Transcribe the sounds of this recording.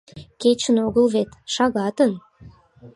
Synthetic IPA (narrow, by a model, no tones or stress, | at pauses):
ket͡ɕənoɣəlβet̪ʃɑɣɑt̪ən